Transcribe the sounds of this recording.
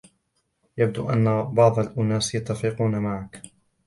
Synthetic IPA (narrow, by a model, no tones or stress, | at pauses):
jab̚d̪uːʔanːabɑʕd̪ˤɑlʔʊnaːsjat̪ːafiːquːnamaʕak